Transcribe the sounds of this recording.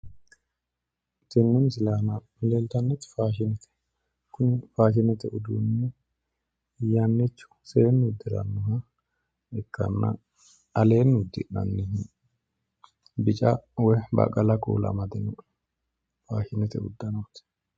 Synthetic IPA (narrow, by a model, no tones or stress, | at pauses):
t̪ɛnːɛns̬ɪlaːnamleːlt̪ɐnːɛt̪faːʃɪnɛt̪ʰɛ̥ | kʊnfaːʃɪnɛt̪ɛʔʊd̪uːnːɛ | janːɛt͡ʃːʊ̥seːnːd̪ːɪɾɐ̰nːʊhɐ | ɛkːɐ̰nːɐ̰ | ɐle̞ːnːd̪ːɪ̰nɐ̰nːɛɦ | bɪt͡ʃʼɐwɛbɐ̰kʼɐlɐkṵːlɐ̰mɐd̪ɛnɔ | faːʃɪnɛt̪ɛ̰ʊd̪ːɐnɐwt̪ɛ̥